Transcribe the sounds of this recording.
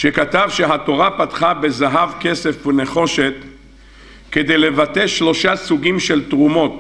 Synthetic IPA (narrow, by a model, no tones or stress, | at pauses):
ʃe̞kat̪avʃeɦat̪o̞ʁapat̪χabe̞zaɦavke̞se̞fveneχo̞ʃe̞t̪ | ke̞d̪e̞jle̞vat̪eʃlo̞ʃasuɡimʃe̞lt̪ʁumo̞t̪